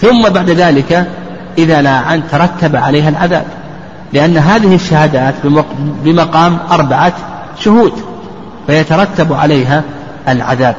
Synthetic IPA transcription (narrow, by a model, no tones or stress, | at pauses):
θʊmːabaʕd̪ðaːlɪka | ʔɪðalaːʕant̪ɑɾˤɑt̪ːabaʕalaːɦalʕaða̰ːb̚ | lɪʔanːɦaːðɪhɪʃːahad̪aːt̪bbɪmɑqɑːmʔɑɾˤbaʕa | ʃʊhuːd̪ | fajat̪ɑɾˤɑt̪ːabʕa̰lajɦa | ʔalʕa̰ðaːb̚